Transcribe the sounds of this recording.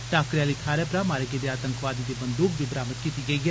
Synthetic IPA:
ʈaːkɾjaːliːt̪ʰaːɾepɾaːmaːɾəked̪eaːt̪ə̃ŋkʋaːd̪id̪eːbənd̪uːkbibɾaːmət̪kiːt̪iɡɐiɡɛ

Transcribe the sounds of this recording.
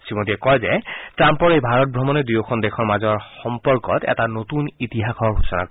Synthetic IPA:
simotiɛkɔjzɛtɹampɔɹejbʱaɹɔt̚bʱɹɔmɔnɛdujɔkʰɔndɛkʰɔɹmazɔɹxɔmpɔɹkɔtɛ̰tanotunitiɦakʰɔɹɡʱusɔna̰k

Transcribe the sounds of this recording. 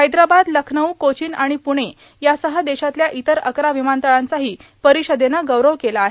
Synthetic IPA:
ɦəjd̪ɾabad̪ləkʰnəʋkot͡ɕiːnaɽ̃ipuɽ̃e | jasəɦəd̪eɕat̪ljaʔit̪əɾə̰kɾaʋimant̪əɭant͡saɦiːpəɾiɕəd̪enaɡəʋɾəʋkelaːɦe

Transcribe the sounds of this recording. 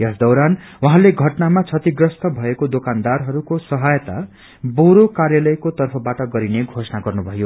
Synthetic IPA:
jʌsd̪ʌwɾan | waɦãleɡʱʌʈnamat͡sʰʌt̪iɡrʌst̪ʌbʱʌekod̪okand̪arɦʌɾukosʌɦajt̪a̰ | boɾokarjalʌjkot̪ʌrpʰʌbaʈʌɡʌɾineɡʱosʌnaɡʌrnubʱʌjo

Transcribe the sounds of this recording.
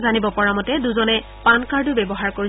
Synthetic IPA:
zanibɔpɔɹamɔtɛduzɔnɛ | pankaɹdʊbɛbɔɦaɹkoɹi

